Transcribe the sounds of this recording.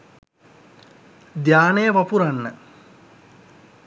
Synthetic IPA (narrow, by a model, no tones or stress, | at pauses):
d̪jaːnejəʋapuɾanːə